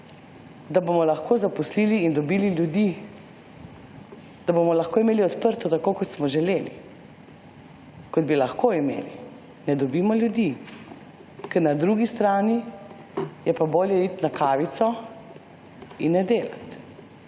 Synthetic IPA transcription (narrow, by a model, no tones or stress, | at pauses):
d̪abomɔlɐxkʰoːzapɔsliːliːnd̪ɔbiːliljud̪i | d̪̥abomɔlaxkoːimeːliɔt̪pəɾt̪ɔt̪akoːkɔt̪smɔʒɛleːlḭ | kɔd̪̚bilaxkoːimḛːli | nɛd̪ɔbiːmɔljud̪i | kɛɾnad̪ɾuɡist̪ɾaːni | jɛpaboːljɛit̪nakaːʋit̪sɔ | inːɛd̪eːla̰t̪